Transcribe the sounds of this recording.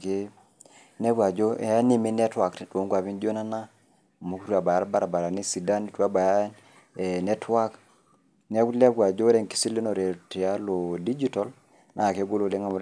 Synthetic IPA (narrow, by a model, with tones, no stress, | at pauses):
ke˦ | nɛ˦bwa˨d͡ʒo˦a˦ni˦mi˦nɛ˦twa˨kto˨˦ŋɡwa˨pi˦nd͡ʒo˦na˦na˦˨ | mu˦ku˦tu˦a˨ba˨ja˨˦ɾba˦ɾa˨ba˨ɾa˨ni˦si˨da˦ni˨twa˦ba˨ja˦˨ | nɛ˦twa˦k | nɛ˦ku˦lɛ˦bwa˨d͡ʒo˦ɾɛ˦˨ŋki̥˦si˦li˦nɔ˨ɾe˨ti˨a˦lo˨di˦d͡ʒi˦tɔ˦l | nʔa˨ke˦ɡo˦lo˨le˦ŋa˨m˨˦